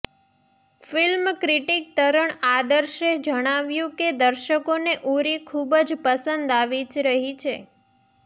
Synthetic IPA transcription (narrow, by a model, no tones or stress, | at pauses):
filmkɾiʈik̚t̪əɾəɳad̪əɾʃed͡ʒəɽ̃aʋjũked̪əɾʃəkoneʔuɾikʰubd͡ʒpəsənd̪aʋid͡ʒɾəɦit͡ʃʰe